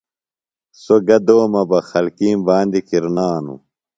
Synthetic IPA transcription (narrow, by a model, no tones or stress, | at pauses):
soɡɐd̪oːmɐbɐxɐlkiːmbaːnd̪ikiɾnaːnṵ